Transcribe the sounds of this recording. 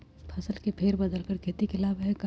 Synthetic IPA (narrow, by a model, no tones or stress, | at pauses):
pʰɐsəlkepʰeːɾbəd̪əlkəɾkʰeːt̪ikɪlaːbɦɛka